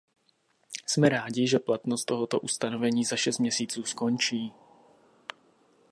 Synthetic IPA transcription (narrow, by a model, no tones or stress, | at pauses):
smɛɾaːɟɪʒɛplat̪nost̪ːoɦot̪o̞ʔust̪anovɛɲiːzaʃɛst̪mɲɛsiːt͡suːsko̞nt͡ʃiː